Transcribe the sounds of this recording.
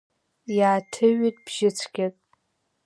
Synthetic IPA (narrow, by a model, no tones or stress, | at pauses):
jaːtʰɨɥitʼb̥ʒɪt͡sʷʰɡʲakʼ